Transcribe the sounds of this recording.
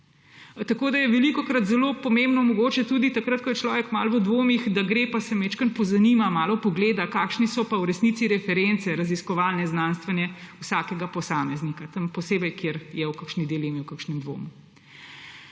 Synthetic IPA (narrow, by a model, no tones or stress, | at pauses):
t̪akoːd̪ajɛʋɛlikɔkɾat̪zɛloːpɔmembnɔmɔɡoːt͡ʃɛt̪uːd̪it̪akɾat̪̚kɔjɛt͡ʃlɔːʋɛkmalʋəd̪ʋoːmixd̪aɡɾeːpasɛmɛt͡ʃkənpɔzanimamaːlɔpɔɡleːd̪akaːkʃnisɔpawɾɛsnit̪siɾɛfɛɾent̪sɛɾaziskɔʋaːlnɛznaːnst̪ʋɛnjɛusaːkɛɡapɔsaːmɛznikat̪əmpɔseːbɛjkjeːɾjɛwkakʃnid̪elemiwkakʃnɛmd̪ʋo̰ːmu